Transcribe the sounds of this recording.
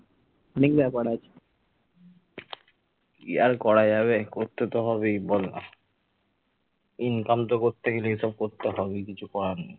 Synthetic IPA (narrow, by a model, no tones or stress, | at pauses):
nikbɛpaɽat͡ɕʰ | iaɾkɔɾad͡ʑaβekoɾt̪ːet̪oɦɔβebol | inkamt̪̬okoɾt̪eɡeleiʃɔb̚koɾt̪eɦɔbekit͡ɕʰukɔɾanḭ